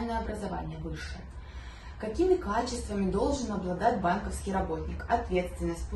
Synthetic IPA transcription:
lʲnəjəɐbɾɐzava̰nʲɪjəvɨʂɨ | kɐkʲimʲɪkat͡ɕɪst̪vəmʲɪd̪o̞lˠʐɨnɐblˠad̪adʲbankəfskʲijɾabot̪ʲnʲɪkɐt̪vʲet̪st̪vʲɪnːəsʲt̚ʲp

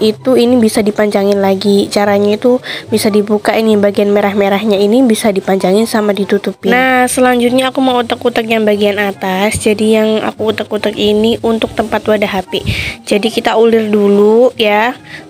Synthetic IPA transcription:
it̪uinibisadipaɲd͡ʒaŋɪnlaɡit͡ʃaɾaɲait̪ubisadibukaʔɪnjaŋbaɡianmeɾahmeɾahɲainibisadipaɲd͡ʒaŋɪnsamadit̪ut̪upɪnasəlaɲd͡ʒʊt̪̚ɲaːkuməŋut̪əkut̪ək̚jaŋbaɡianat̪asd͡ʒadijaŋa̰kuːt̪əkut̪əkiniʔunt̪ʊk̚t̪əmpat̪wadaɦaped͡ʒadikit̪aulɪrduluja

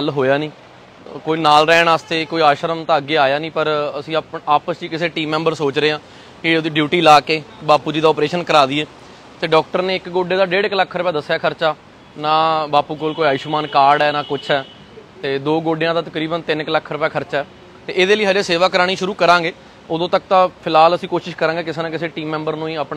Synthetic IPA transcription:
əlɦoːjaːnĩː | koːiːnaːlɾɛːnaːst̪eːkoːiːaːʃəɾəmt̪ãːəɡːeːaːjaːnĩːpəɾəsĩːpaːpəsd͡ʒiːkɪseːʈiːmːɛ̃ːmbəɾsoːt͡ʃɾeːãː | kɪd̪eɖjuːʈiːlaːkeːbaːpuːd͡ʒiːd̪aːɔːpɾeːʃənkəɾaːd̪iːɛː | t̪eːɖɔːk̚ʈəɾneːɪkɡoːɖeːd̪aːɖeːɽɪkləkʰːɾʊpɛːd̪əsːjaːkʰəɾt͡ʃaː | nãːbaːpuːkolkoːiaːʃmaːnkaːɾɖɛːnãːkʊt͡ʃʰɦɛː | t̪eːd̪oːɡoːɖejãːd̪aːt̪əkɾiːbənt̪ɪnɪkləkʰːɾʊpɛːkʰəɾt͡ʃaːɛː | t̪eːʔeːd̪eːləiːɦəd͡ʒeːseːʋaːkəɾaːɽ̃iːʃʊɾuːkəɾãːŋɡeː | oːd̪õːt̪ək̚t̪ãːpʰɪlaːləsĩːkoːʃɪʃkəɾãːɡeːkɪseːnãːkɪseːʈiːmːɛ̃ːmbəɾnũːĩːəpː

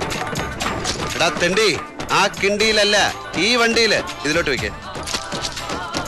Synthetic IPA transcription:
ɽɐt̪ːeɳɖi | aːkːiɳɖijilɐlːɐ | iːʋɐɳɖijiliðilo̞ːʈːɨʋikʲːḛ

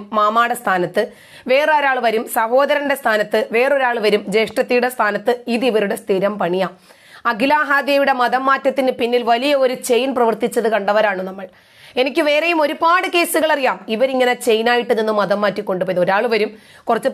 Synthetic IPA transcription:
mːaːmaːɽɐst̪ʰaːnɐt̪ːɨ | ʋe̞ːroɾaːɭʋɐɾumsɐho̞ːd̪ɐɾɐnɖe̞st̪ʰaːnɐt̪ːɨʋe̞ːro̞ɾaːɭɨʋɐɾumd͡ʑe̞ːʂʈrɐt̪ːijuɽe̞st̪ʰaːnɐt̪ːɨiðiʋɐɾuɽe̞st̪ʰiɾɐmpɐɳijaːm | ɐɡlaːɦaːd̪jejuɽe̞mɐðɐmːaːtːɐt̪ːinɨpinːilʋɐlijɐo̞ɾut͡ɕe̞jnprɐʋɐrt̪it͡ɕːɐðɨkɐɳɖɐʋɐɾaːɳɨnɐmːɐɭ | e̞nikʲːɨʋe̞ːrejumo̞ɾubaːɽɨke̞ːsuɣɐɭɐrijaːmiʋɐɾiŋːɐnet͡ɕe̞jnaːjiʈːɨninːumɐðɐmːaːtːikːo̞ɳɖupoːiðo̞ɾaːɭɨʋɐɾum | kurɐt͡ɕːu

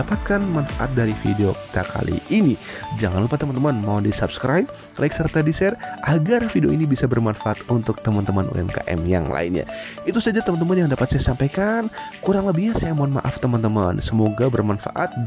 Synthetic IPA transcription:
apat̪̚kanmanfaʔa̰t̪̚daɾifideoki̥t̪akʰa̰lḭʔinid͡ʒaŋanlupat̪əmant̪əmanmawdisapskɾʔajp̚ | lʔaɪksərt̪adisɛrʔaɡarfideoinibisabərmanfaʔat̪unt̪ʊk̚t̪əmant̪əmanṵɛ̰mka̰ʔɛ̰mja̰ŋla̰inɲa̰it̪usad͡ʒat̪əmant̪əmanjaŋdapat̪̚sajasampajkankuɾaŋləbihɲasajamanma̰ʔaft̪əmant̪əmansəmoɡabərmanfa̰ʔat̪̚

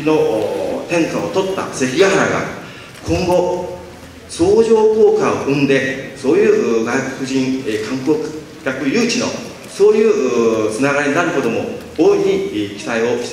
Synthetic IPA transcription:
ino̞ʔt̪ẽ̞ŋkaot̪o̞t̪ːa̰se̞çijaɦaɾa̰ɡa̰ | kʰõ̞ŋɡo̞ | so̞ːʑo̞ːko̞ːkao̰ʔɯ̟̃nd̪e̞so̞ːjɯ̟ːɡaiko̥kɯ̟ʑĩŋkʰãŋkoː | kʲakɯ̟jɯːt͡ɕino̞̰ | so̞ːjɯːt͡sɨnaɣaɾʲinaɾɯ̟kot̪o̞mo̞̰ | oːiɲ̟ikʲi̥t̪aio̞ɕt̪

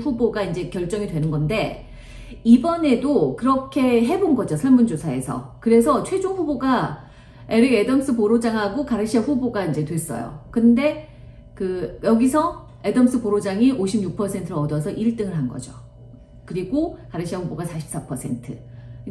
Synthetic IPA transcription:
ɸuboɡaind͡ʑe̞kjʌɭt͡ɕ͈ʌŋidwe̞nɯnɡʌnde̞ | ibʌne̞dokɯɾʌkʰe̞ɦe̞bonɡʌd͡ʑosʰʌɭmund͡ʑosʰae̞̰sʰʌ̰kɯɾe̞sʰʌt͡ɕʰwe̞d͡ʑoŋɸuboɡa | e̞ɾɯɡedʌms͈ʰɯpoɾod͡ʑaŋɦaɡokaɾɯɕʰiaɸuboɡaind͡ʑe̞twe̞s͈ʌ̰jo̰kɯnde̞ | kɯjʌɡisʰʌ | e̞dʌms͈ʰɯpoɾod͡ʑaŋiʔoɕʰimɲuk̚pʰʌsʰe̞ntʰɯɾʌdʌsʰʌʔiɭt͈ɯŋɯɭɦanɡʌ̰d͡ʑo̰ | kɯɾiɡokaɾɯɕʰiaɸuboɡasʰaɕʰi̥p̚s͈apʰʌsʰe̞ntʰɯ

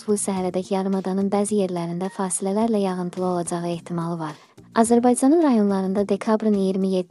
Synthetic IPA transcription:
vulˠsæɦæɾæd̪æcʰjɑɾɯmɑd̪ɑnɯnbæːzije̞ɾlæɾind̪æfɑːsilælæɾlæjɑɣɯnt̪ʰɯlˠɯo̞lˠɑd͡ʒɑʁɯe̞ht̪ʰimɑlˠɯvɑɾ | ɑzæɾbɑjd͡ʒɑnɯnɾɑjo̞nlˠɑɾɯnd̪ɑd̪e̞kʰɑbɾɯnijiɾmijed̪

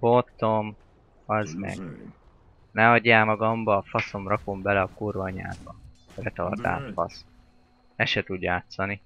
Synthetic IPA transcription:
bot̪ːom | ɒzmɛ̰ɡ | nɛɒɟːaːmɒɡɒmbɒːfɒso̞mrɒko̞mbɛlɛɒkurvɒɲa̰ːdbɒrɛt̪ɒ̰rd̪a̰ːt̪fɒ̰s | ɛʃɛt̪uɟjaːt̪sɒni

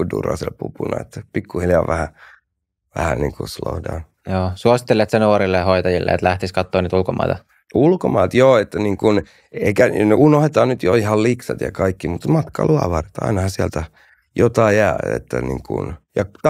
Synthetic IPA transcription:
udṵrɑ̰sḛlpupunɑet̪ːæpikːuhiljɑʋæhæ | ʋæhænḭːŋkuslo̰udɑ̰n | joːsuosi̥t̪ːelːet̪senoːɾilːehoit̪ɑjilːḛḛt̪læht̪iskɑt̪ːoːniːt̪ulkomɑ̰it̪ɑ | ulkomɑːt̪joːet̪ːæniːŋkun | eikæneunohet̪ɑːnnyt̪joihɑlliksɑt̪jɑ̰kɑikːimut̪mɑt̪kɑ̰lʔuɑ̰ʋɑrt̪ɑ̰inɑhɑsiælt̪æ | jot̪ɑijæːḛt̪ːænḭːŋkṵnjɑt̪

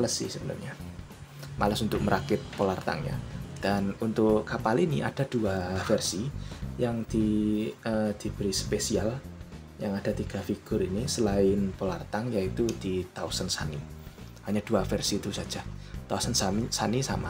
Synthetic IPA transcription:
aləsɪ̰hsəbənə̰mɲa | maləsunt̪ʊk̚məɾʔakɪt̪̚polart̪a̰ŋɲa̰d̥anunt̪ʊʔkapalinḭʔa̰d̥a̤d̥uafɛrsijaŋd̪̥iəd̪̥ib̥əɾispesial | jaŋad̥a̤t̪iɡ̥a̤fiɡ̥ʊɾinisəlaɪnpolart̪aŋjait̪ud̥it̪ausənsa̰ni | haɲad̥uafɛrsit̪usḁd͡ʒ̥at̪ausənsamisanisa̰ma

